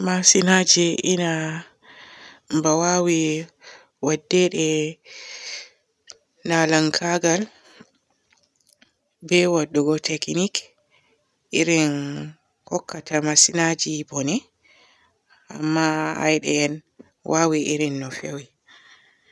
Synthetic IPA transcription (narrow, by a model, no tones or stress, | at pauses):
masinad͡ʒiʔina | mbawawi | wadːɛɗɛ | nalaŋkʰaɡal | bɛwaɗːuɡɔtʰeknik | iɾin | hɔkʰːatamasinad͡ʒibɔnɛ | a̰mːaa̰jɗɛɛn | wʔawiʔiɾinːɔfewi